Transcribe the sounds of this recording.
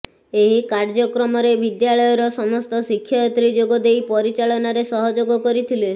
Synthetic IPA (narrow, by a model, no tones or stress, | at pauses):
eɦikaɾd͡ʒɔkɾɔmɔɾebid̪jaɭɔjɔɾɔsɔmɔst̪ɔsikʰːjɔjɔt̪ɾid͡ʒoɡɔd̪ejpɔɾit͡ʃaɭɔnaɾesɔɦɔd͡ʒoɡɔkɔɾit̪ʰile